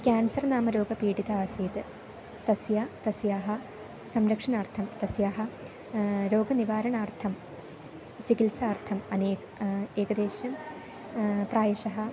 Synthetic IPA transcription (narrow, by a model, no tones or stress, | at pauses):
kʲaːɳsɐrnaːmɐɾo̞ːɡɐpiːɽiðɐaːsiːt̪ɨ | t̪ɐsjat̪ɐsjaːɦɐ | sɐmɾɐkʂɐɳaːrt̪ʰɐmt̪ɐsjaːɦɐ | ɾo̞ːɡɐniʋaːɾɐɳaːrt̪ʰɐm | t͡ɕikilsaːrt̪ʰɐmɐneː | eːkɐd̪eːɕjɐm | praːjɐɕɐɦɐ